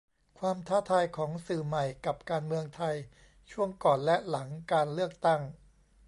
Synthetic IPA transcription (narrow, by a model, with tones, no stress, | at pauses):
kʰwaː˧mt̪ʰaː˥˩t̪ʰaː˧jkʰɔː˩˦ŋsɯː˨˩ma˨˩jka˨˩p̚kaː˧nmɯ˧əŋt̪ʰa˧j | t͡ɕʰu˥˩əŋkɔː˨˩nlɛ˦˥la˩˦ŋkaː˧nlɯ˥˩ək̚t̪a˥˩ŋ